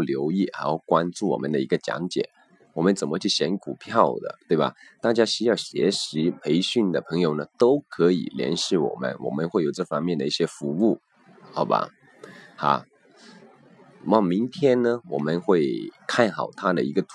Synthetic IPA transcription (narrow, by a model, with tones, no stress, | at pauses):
ljo˧˥ʊi˥˩xa˧˥ɪxo˥˩ʊkwa˥nʈ͡ʂu˥˩wɔ̰˨˩mə˦nd̪ə˧i˧˥ɡə˧t͡ɕjɑ̰˧˥ŋt͡ɕjɛ̰˨˩˦ | wɔ˨˩mə˦nt͡sə˨˩nmə˦t͡ɕʰy˥˩ɕjɛ˧˥nku˨˩pʰjɑ˥˩ʊd̪ə̰˩t̪we˥˩ɪbɐ̰˨˩ | t̪a˥˩t͡ɕja˥ɕy˥jɑ˥˩ɕjɛ̰˧˥ʂɻi˧˥pʰe˧˥ɪɕy˥˩nd̪ə˩pʰɤ˧˥ŋjo˨˩ʊnə˦t̪o˥ʊkʰɤ˧˥ḭ˨˩ljɛ̰˧˥nɕi˥˩wɔ̰˨˩mə̰˦nwɔ̰˨˩mə˦nxwe˥˩ɪjo˨˩ʊʈ͡ʂɤ˥˩fɑ˥ŋmjɛ˥˩nd̪ə˩i˥˩ɕjɛ˥fu˧˥u˥˩ | xɑ˨˩ʊba̰˧ | xa̰˧˥˨ | mɑ˥˩mi˧˥ŋt̪ʰjɛ˥nnə˧wɔ˨˩mə˧˦nxwe˥˩ɪkʰa˥˩nxɑ˨˩ʊt̪ʰa˥d̪ə̰˨i˧˥ɡə˧t̪ʰ